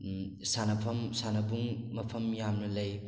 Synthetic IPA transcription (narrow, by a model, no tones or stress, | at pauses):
sanɐpʰɐmsanɐbuŋmɐpʰɐmjamnɐlɐj